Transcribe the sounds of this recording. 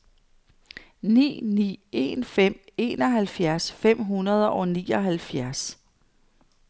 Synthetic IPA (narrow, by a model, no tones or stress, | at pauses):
nḭːnḭːe̝̰ːnfem̰e̝ːnɒ̽ɦælfjæɐsfem̰ɦunɐð̞ˠɐʔɒ̽niːɒɦælfjæɐs